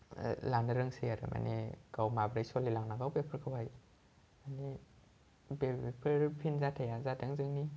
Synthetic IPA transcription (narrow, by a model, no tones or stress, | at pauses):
lanaɾɯŋsijaɾa̰mʔa̰nḛkawmabɾajsɔlilaŋnaɡawbepʰɯɾkʰawhaj | ani | bepʰɯɾpʰinzatʰajazatʰaŋzɯŋni